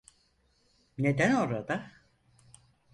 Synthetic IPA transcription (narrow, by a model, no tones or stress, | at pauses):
ne̞d̪ænoɾad̪a